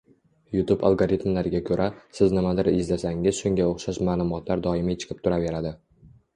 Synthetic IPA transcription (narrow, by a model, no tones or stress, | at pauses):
jʊt̪uba̰lˠɡoɾit̪mlaɾɪɡʲakʲʰɵɾʔasɪznɪmad̪ɪɾɪzlasaŋɪz̥ʃʊŋɡʲaoχʃaʃmaːlˠʊmɒt̪ʰlaɾd̪ɒɪmɪt͡ʃʰɨ̥qʰɨp̚t̪ʰʊɾave̞ɾad̪ɪ